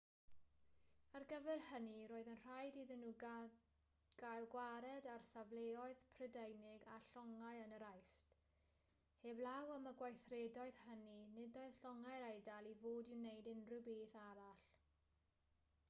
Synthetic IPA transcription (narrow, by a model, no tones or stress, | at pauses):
arɡəvɛrhəniɾoːɨðənr̥ajdiðɪnːuː | ɡ̥ajlˠɡwaɾɛdarsavlˠeɔɨðpʰrədejnɪɡaɬɔŋajənəɾajft | heːblˠawəməɡwajθredɔɨð̥həninɪdɔɨð̥ɬɔŋaɨɾejdalˠivoːdɪwnejdɪnrɨbeːθaɾaɬ